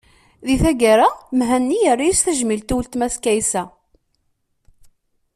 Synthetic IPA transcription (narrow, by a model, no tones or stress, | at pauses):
ðiθæɡaɾamɦænːijərːajisθæʒmilt̪uwlt̪mæskæjsæ